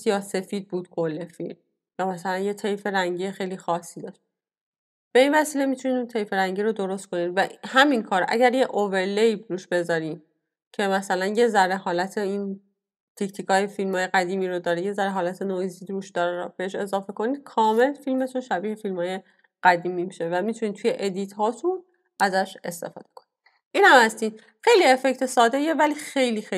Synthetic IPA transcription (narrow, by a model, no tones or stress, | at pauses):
jɒːse̞fiːd̪̚buːd̪̥kʰole̞fḭlm | jɒːmæsælænje̞t̪ʰe̞jfe̞ɾæŋɟiexe̞jliːxɒːsːiːd̪ɒːʃt̚ | b̥e̞invæsiːle̞mit̪ʰunid̪unt̪ʰe̞jfeɾæŋɟiːɾo̞d̪o̞ɾo̞st̪̚kʰo̞nid̪væhæminkʰɒːɾʔæ̰ɟæɾjeʔove̞ɾlejbɾuːʃb̥e̞zɒːɾiːm | cʰe̞mæsælænjezæɾe̞ɦɒːlæt̪ʰe̞in | t̪ʰicʰt̪ʰiːkɒːjefilmɒːjeɣæd̪iːmiːɾod̪ɒːɾeje̞zæɾeɦɒːlæt̪ʰenoziːd̪ɾuːʃd̪ɒːɾɾb̥eeʃe̞zɒːfe̞ko̞nid̪̥̚kʰɒːme̞lfilme̞t̪ʰunʃæbiːhe̞filmhɒːje̞ | ɢ̥æd̪iːmimiʃe̞væmit̪ʰunit̪ʰuje̞ʔed̪iːt̪hɒːt̪ʰun | æzæʃe̞st̪e̞̰fɒ̰ːd̪̥ekʰo̞̥nid̥̪ | ʔiːnhæmhæst̪iːn | xe̞jlie̞fe̞ct̪ʰesɒːd̪e̞je̞væliːxejlixe